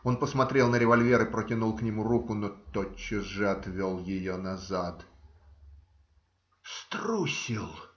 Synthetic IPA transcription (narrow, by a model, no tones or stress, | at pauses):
o̞npəsmɐt̪ɾʲe̞lˠnəɾʲɪvɐlʲvʲe̞ɾɨpɾətʲɪnulˠknʲɪmuɾukʊnot̪ot͡ɕːɪʐɨɐt̪vʲolˠjɪjonɐzat̪ | st̪ɾusʲilˠ